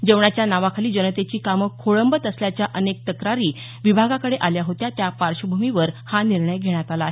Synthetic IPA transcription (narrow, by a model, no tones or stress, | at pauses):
d͡ʑeʋɳat͡ɕjanaʋakʰaliːd͡ʑənət̪et͡ɕiːkaməkʰːoɭəmbət̪əsljat͡ɕjaʔənek̚t̪əkɾaɾiː | ʋibʱaɡakəɽeʔaljaɦot̪jat̪japaɾɕəbʱumiʋəɾhaniɾɳəjɡʱeɽ̃at̪alaɦe